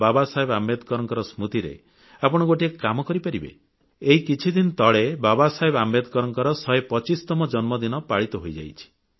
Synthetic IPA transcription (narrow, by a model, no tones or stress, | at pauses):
babasaɦebamed̪kɔɾɔŋkɔɾɔsmut̪iɾḛ | apɔɽ̃ɔɡoʈiekkamɔkɔɾipaɾibḛ | eɦikit͡ʃʰid̪inɔt̪ɔɭebabasaɦebamed̪ʱkɔɾɔŋkɔɾɔsɔepɔt͡ʃist̪ɔmɔd͡ʒɔnmɔd̪inɔpaɭit̪ɔɦojd͡ʒa̰jt͡ʃʰi̥